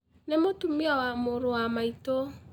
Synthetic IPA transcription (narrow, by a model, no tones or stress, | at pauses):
nemotumiawamoɾowamaito